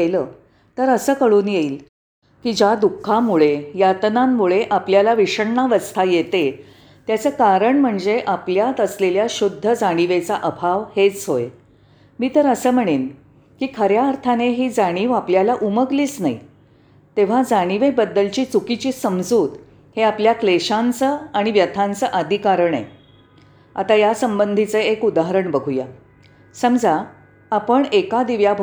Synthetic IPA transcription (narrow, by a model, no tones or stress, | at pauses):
ləː | t̪əɾəsəːkəɭuːnjeiːl | kiːd͡ʑad̪ukʰːamuɭejat̪ənamːuɭeʔapljalaʋiɕəɳɳaʋəst̪ʰajet̪e | t̪jat͡səːkaɾəɳm̤əɳd͡zeʔapljat̪əsleljaɕud̪ʱːəd͡zaɽ̃iʋet͡saʔəbʱaʋhet͡sɦoj | miːt̪əɾəsəːm̤əɽ̃en | kiːkʰəɾjaːɾt̪ʰaneɦiːd͡zaɽ̃iːʋapljalaʔuməɡliːt͡snai | t̪eʋ̤ad͡zaɽ̃iʋebəd̪ːəlt͡ɕiːt͡sukit͡ɕiːsəmd͡zuːt̪ | heapljakleɕãnt͡səaɽ̃iʋjət̪ʰãnt͡səʔəd̪ʱikaɾəɳḛ | a̰t̪ajasəmbənd̪ʱit͡səekud̪aɦəɾəɳbəɡʱuja̰ | səmd͡zaː | pəɳekad̪iʋjabʱ